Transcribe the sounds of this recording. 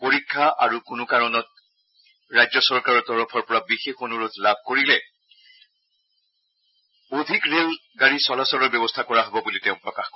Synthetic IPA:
poɹikʰːaʔaɹukʊnʊkaɹɔnɔt̚ | ɹajzɔsɔɹkaɹɔɹtɔɹɔpʰɔɹpɔɹabixexonuɹutlab̚ʱkoɹilɛ | odʱikɹel | ɡaɹisɔlasɔlɔɹbjɔbɔstʰakɔɹaɦɔbɔbulitɛʊ̃pɹɔkaxkɔ

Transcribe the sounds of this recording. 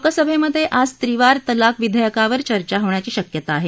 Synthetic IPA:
kəsəbʱeməd̪ʱːjeʔad͡zt̪ɾiʋaɾt̪əlakʋid̪ʱəjəkaʋəɾt͡ɕəɾt͡ɕaɦoɳjat͡ɕiːɕəkjət̪aːɦe

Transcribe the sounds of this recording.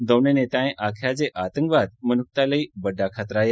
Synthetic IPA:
d̪əʋnenet̪aẽʔakʰjad͡zeʔat̪ə̃ŋkʋad̪̚mənuk̚t̪aləibəɖakʰat̪ɾaːja

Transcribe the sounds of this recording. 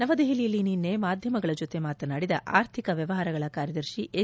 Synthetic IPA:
nɐʋɐd̪eɦilijɐlːininːemaːd̪ʱjɐmɐɡɐɭɐd͡ʒot̪emaːt̪ɐnaːɽid̪ɐʔa̰ːɾt̪ʰikɐʋjɐʋɐɦaːɾɐɡɐɭɐkaːɾjɐd̪ɐɾʃiʔe

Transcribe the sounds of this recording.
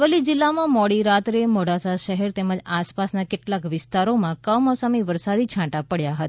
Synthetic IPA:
ʋəlid͡ʒɪlːamãmɔɽiɾat̪ɾemɔɽasaʃəɦɛɾt̪eməd͡ʒaspasnakeʈlakʋɪst̪aɾomãkəwmɔsamiʋəɾsad̪it͡ʃʰãʈapəɽjaɦət̪a

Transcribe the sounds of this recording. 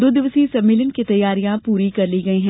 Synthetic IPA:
d̪oːd̪ɪʋəsisɐmːeːlənkit̪ɐjːaːɾijãpuːɾikɐɾliɡɐiɦɛ̃ː

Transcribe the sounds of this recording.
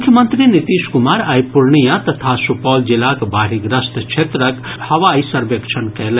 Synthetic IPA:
kʰjəmənt̪ɾinit̪iskumaɾajpuɾɳijãt̪ɐt̪ʰasupɔːld͡ʒilakbʱaɾiɡɾəst̪ʰt͡ʃʰet̪ɾəkhɐʋaisəɾbəkt͡ʃʰənkɛlɛ

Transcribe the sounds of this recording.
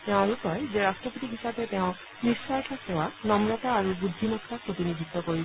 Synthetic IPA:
t̪ẽalukɔezeɾasʈɾɔpot̪ikɦisabet̪eʊ̃ | nisɔjʈʰasewanɔmɾɔt̪aːɾubud̪ʱːimɔkʰːapɾot̪inid̪ʱit̪ːɔkɔɾi

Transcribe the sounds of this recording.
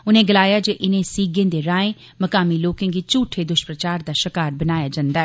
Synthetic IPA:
ʊnẽːɡəlaːjaːd͡ʒeːʔɪnẽːsiːɡẽːd̪eːɾãːẽː | məkaːmiːloːkẽːɡiːt͡ʃuːʈʰeːd̪ʊʃpɾət͡ʃaːɾd̪aːʃəkaːɾbənaːjaːd͡ʒãːnd̪aː

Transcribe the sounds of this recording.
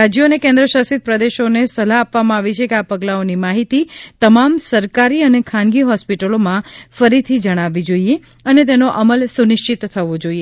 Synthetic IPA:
ad͡ʒjonekɛ̃nd̪ɾəʃasit̪̚pɾəd̪eʃonesəlaːpʋamãaʋit͡ʃʰekeapəɡlaonimaɦit̪it̪əmamsəɾkaɾiənekʰãnɡiɦɔspiʈəlomãfəɾit̪ʰid͡ʒəɽ̃aʋid͡ʒoie | ənet̪̬enoʔəməlsunɪʃt͡ʃit̪tʰːəʋod͡ʒoie

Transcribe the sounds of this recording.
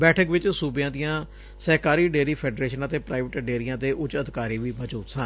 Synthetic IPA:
bɛːʈʰəkʋɪt͡ʃsuːbjãːd̪ɪjãː | sɛːkaːɾiːɖeːɾiːpʰɛːɖɾeːʃənaːt̪eːpɾaːɪʋəʈɖeːɾijãːt̪eːʔʊt͡ʃəd̪ɪkaːɾiːʋiːbət͡ʃuːt̪sãː

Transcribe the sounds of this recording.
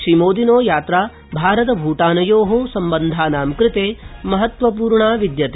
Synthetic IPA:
ʃɾimoːd̪inoːjaːt̪ɾaː | bʱaːɾɐt̪ɐbʱuːʈaːnɐjoːɦosɐmbɐnd̪ʱaːnaːmkɾɪt̪eːmɐɦɐt̪ʋɐp̬uːɾɳaːʋid̪jɐt̪ː

